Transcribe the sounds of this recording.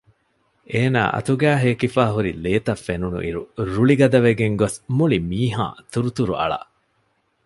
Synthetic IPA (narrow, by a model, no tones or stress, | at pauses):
eːna̰ːʔɐ̰t̪uɡæːɦeːkifaːɦuɾileːt̪ɐfːenunṵʔiɾuɾuɭiɡɐd̪ɐʋeɡeŋɡosmuɭimiːɦã̰ːt̪uɾut̪uɾuʔɐ̰ɭɐ̰ʔ